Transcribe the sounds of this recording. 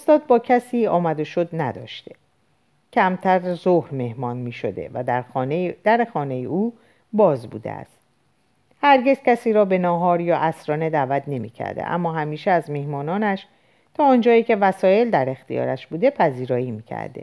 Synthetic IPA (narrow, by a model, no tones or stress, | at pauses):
ost̪ɒːd̪̚bɒːcʰæsiːɒːmæd̪oʃo̞d̪næd̪ɒ̰ːʃt̪e̞̰ | cʰæmt̪ʰæɾzohɾme̞hmɒːnmiːʃo̰d̪e̞̰væ | d̪̥æɾexɒːne̞jeʔuː | bɒːzbṵːd̪ḛæ̰st̪ | hæɾɟe̞zcʰæsiːɾɒːbe̞nɒːɦɒːɾjɒːʔæsɾɒːne̞d̪æːvæt̪ʰne̞mḭːcʰæ̰ɾd̪ḛʔæ̰mːɒːɦæmiːʃeæzmehmɒːnɒːnæʃ | t̪ʰɒːnd͡ʒɒːiːcʰe̞væsɒːje̞ld̪æɾe̞xt̪ijɒ̰ːɾæʃbuːd̪e̞pʰæziːɾɒːiːmiːcʰæ̰ɾd̪ḛ